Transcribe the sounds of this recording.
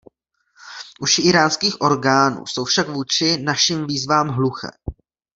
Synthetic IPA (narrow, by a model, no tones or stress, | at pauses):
ʔuʃɪʔɪɾaːnskiːxʔo̞ɾɡaːnṵːso̞wfʃakvuːt͡ʃɪnaʃiːmviːzvaːmɦluxɛ̰